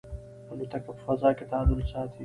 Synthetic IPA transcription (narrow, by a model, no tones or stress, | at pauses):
ɐlut̪ɐkɐpfɐzaːket̪aːd̪ʊlsaːt̪ʰi